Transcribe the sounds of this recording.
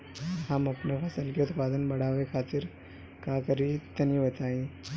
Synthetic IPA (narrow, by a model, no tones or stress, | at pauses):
ɦəmɐpnepʰɐsəlkiʊt̪paːd̪ənbɐɽ̤aːʋekʰaːt̪iɾ | kakəɾit̪ɐniʋət̪aĩ